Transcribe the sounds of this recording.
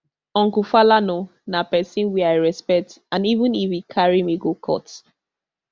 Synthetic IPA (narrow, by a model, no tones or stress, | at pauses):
ɔ̃ŋkufalano | napɛsĩnwiaɪɹɛspɛk̚tãnivũnifikʰaɹimiɡokʰɔ̰t